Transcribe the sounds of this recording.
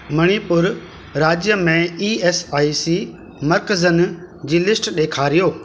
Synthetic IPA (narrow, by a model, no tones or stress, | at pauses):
mɐɽ̃ipʊɾ | ɾaːd͡ʑjəmẽiːeːsaːisi | mɐɾkəzənd͡ʑiːlɪsʈɗeːkʰaːɾijoː